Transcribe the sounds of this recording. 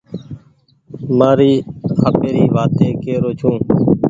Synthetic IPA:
maːɾiːɦaːpeːɾiːʋaːt̪eːkeːɾoːt͡ʃʰũː

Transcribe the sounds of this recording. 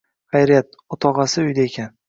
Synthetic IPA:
χajɾijat̪̚ | ʊt̪ʰɒʁɑsɪʊjd̪aekʲʰan

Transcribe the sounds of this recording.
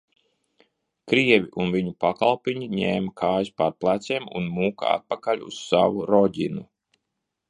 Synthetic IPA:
kɾiɛvʲiʔunviɲupakalˠpʲiɲiɲeːmakʰaːjspaɾplˠat̪seːmṵnmuːka̰a̰t̪̚pakalʲṵssavuɾɔɟʲinu

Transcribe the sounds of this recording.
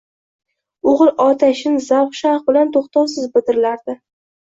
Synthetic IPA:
oʁɨlˠʔɒt̪ʰaʃɪnzawχʃaɾqbɪlant̪ʰoχt̪ʰawsɪzbɪd̪ɪɾɪlaɾd̪ɪ

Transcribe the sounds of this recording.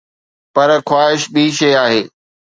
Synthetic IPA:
pɐɾxwaːɦɪʃɓʱiʃɐːaːɦeː

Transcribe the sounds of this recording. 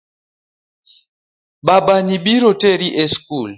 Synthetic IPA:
ɓaɓanibiɾotɛɾiʔɛskul

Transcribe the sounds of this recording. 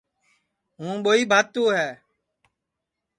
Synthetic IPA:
ɦũːɓoːiːbʱaːt̪ːũːɦɛː

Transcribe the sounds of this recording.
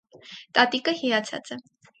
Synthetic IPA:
t̪ʼɑt̪ikəhijɑt͡sʰɑ̰t͡sɛ

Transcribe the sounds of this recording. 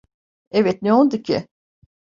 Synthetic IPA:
evɛt̪̚neolˠd̪ucʰɪ̰

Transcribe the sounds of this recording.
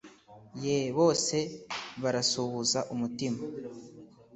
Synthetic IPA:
jeβo̞ːse̞βaɾasuβuzaʔumutima

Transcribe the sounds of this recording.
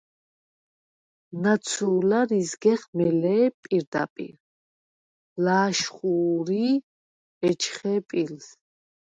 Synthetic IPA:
nat̪sʰuːlaɾizɡɛχmɛlɛːpʼiɾd̪a̰pʼḭɾ | laːʃχuːɾi | ɛt͡ʃʰχɛpʼils

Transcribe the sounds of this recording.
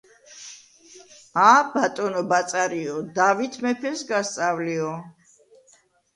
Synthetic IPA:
abat̪ʼɔnɔbat̪sʼaɾiɔd̪avit̪ʰmɛpʰɛsɡast̪sʼavliɔ

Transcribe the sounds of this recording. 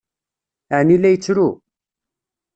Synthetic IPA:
aʕnilæjət͡sːɾu

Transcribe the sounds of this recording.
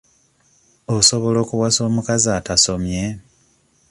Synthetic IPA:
oso̞βo̞lo̞ːkuβwaso̞ːmukazaːtaso̞mje̞

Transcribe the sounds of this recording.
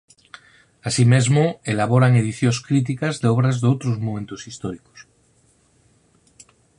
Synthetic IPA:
asimezmoelaβ̞oɾaŋe̞ðiθjoskɾit̪̬ikazðeoβ̞ɾazðeowt̪ɾozmõmẽ̞nt̪osist̪oɾiko̥s

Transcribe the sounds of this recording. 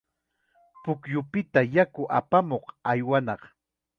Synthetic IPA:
pʊkjʊpɪt̪ajakʊʔapamoqajwanɑq

